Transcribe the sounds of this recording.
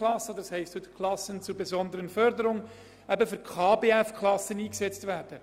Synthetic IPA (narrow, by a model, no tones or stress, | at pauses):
lɑsːəd̪shɛɪstʋʉtkʰlɑsənt͡sʊɾbɛzɔnd̪əʁənfœɾdəɾʊŋ | ɛbəfʏɾkʰɑːbeːɛfkʰlɑsəniːksɛt͡stvæːɾd̥ə